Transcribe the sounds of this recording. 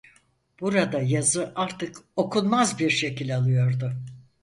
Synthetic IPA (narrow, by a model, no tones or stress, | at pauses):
b̥uɾad̪ajazɯʔaɾt̪ʰɯko̞kʰunmazbiɾʃe̞cilʲalˠɯjo̞ɾd̪ʊ